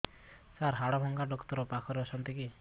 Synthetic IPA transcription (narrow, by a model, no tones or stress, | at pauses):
saɾɦaɽɔbʱɔŋɡaɖɔkt̪ɔɾɔpakʰɔɾeɔsʰɔnt̪iki